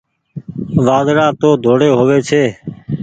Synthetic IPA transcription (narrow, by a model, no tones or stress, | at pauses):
ʋaːd̪ɾãːt̪oːd̪ʱoːɽeːɦoːʋeːt͡ʃʰeː